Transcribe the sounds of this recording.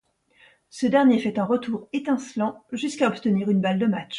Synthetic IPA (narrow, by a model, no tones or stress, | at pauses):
səd̪ɛʁnjefɛt̪ɛ̃ʁət̪ʰuʁet̪ɛ̃slɑ̃ʒyskaɔpt̪əniʁynbald̪əmatʃ